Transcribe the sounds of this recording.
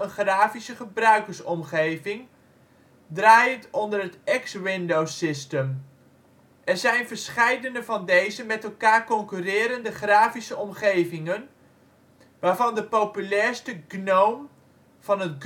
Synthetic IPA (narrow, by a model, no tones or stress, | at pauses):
ənχraːfisəχəbrœɥkəɹsɔmχejvɪŋ | draːjəntɔndərɦətɛkswɪndowsɪstəm | ɛɹzɛjnvəɹsχɛjdənəvɑndejzəmɛtɛlˠkaːɹkɔŋkyrɪːɾəndəχraːfisəɔmχejvɪŋən | ʋaːɹvɑndəpowpylɛːɹstəɡnowm | v̥ɑnɦətɡ